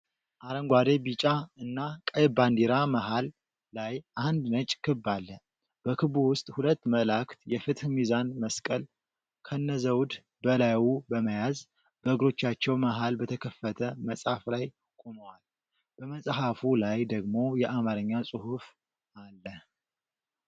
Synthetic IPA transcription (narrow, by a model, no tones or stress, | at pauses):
ʔaɾəŋɡʷwad̪ebit͡ʃʼaɨnːakʼajband̪iɾamaɦalː | ajʔand̪nət͡ʃʼkʰɨbːalːə | b̥əkʰɨβuwʊst̪ʼhulət̪ːməlakt̪jɛfɨt̪hmizanməskʼəl | kʰənːəzəwd̪ | bəlawubəməjaz | b̥əʔɨɡɾo̞t͡ʃːat͡ʃːɛwmaɦalbət̪ʰəkʰəfːət̪ʰəməsʼhaflaj | kʼoməwal | b̥əməsʼɦafulajd̪əɡmo̞jɛʔamaɾɨɲːasʼɨhuf | alːə